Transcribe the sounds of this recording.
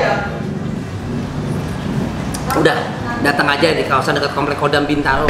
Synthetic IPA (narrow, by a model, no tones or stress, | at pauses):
udah | dat̪əŋad͡ʒadikawasandəkət̪̚kɔmplɛkːodambint̪alo